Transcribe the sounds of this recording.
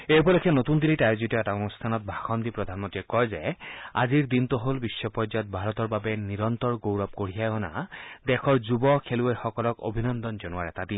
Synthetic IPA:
ejpɔlɔkʰɛnot̪und̪ilitajzitɔɛtaonustʰanɔt̪̚bʱaxɔnd̪ipɹɔd̪ʱanmɔntɹiɛkɔjzɛa̰ziɹd̪int̪ɔɦolbisːɔpɔɹzaɔt̪̚bʱaɹɔt̪ɔɹbabɛniɹɔnt̪ɔɹɡowɹɔp̚koɹijajɔna̰d̪ɛkʰɔɹzubɔkʰeluejxɔkɔlɔko̰bʱinɔnd̪ɔnzɔnuaɹɛtad̪in

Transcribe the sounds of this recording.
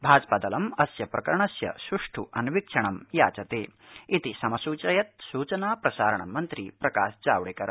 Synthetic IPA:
bʱaːd͡ʒpɐd̪ɐlɐmɐsjɐpɾɐkɐɾɐɳɐsjɐ̰sɾuʂʈʰṵʔɐnʋikʂɐɳɐmja̰ːt͡ʃɐt̪eːit̪isɐmɐsuːt͡ʃɐjɐt̪̚suːt͡ʃɐnaːpɾɐsaːɾɐɳɐ̰mːɐnt̪ɾḭpɾɐka̰ːʃd͡ʒaːʋɐɽikɐɾɐ

